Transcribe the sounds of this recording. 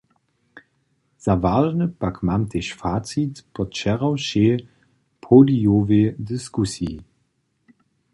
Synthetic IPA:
z̥avaʒnəpakmamt̪eʃfaːtt͡sit̪pɔt͡ʃɛʁawɕe | pʰolijoved̪ɨskusji

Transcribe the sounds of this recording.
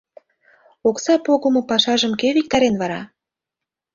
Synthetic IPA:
oksɑpoɣə̆mŏpɑʃɑʒə̆mkeβik̚t̪ɑɾenβɑɾɑ̰

